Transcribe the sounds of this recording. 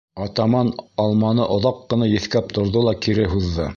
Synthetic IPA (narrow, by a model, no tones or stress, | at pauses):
ɑt̪ɑmɑnɑlˠmɑnɤʔŏðɑqːɤ̆nɑjɘ̆θkæp̚t̪ʰŏɾðolˠɑkiɾɘɦuðːɤ